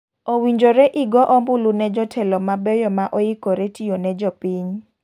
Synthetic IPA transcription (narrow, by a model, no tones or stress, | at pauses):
owiɲd͡ʒoɾɛʔɪɡɔʔɔmbʊlunɛd͡ʒɔtʰɛlɔmabɛjɔmaʔɔjikoɾɛtijonɛd͡ʒɔpiɲ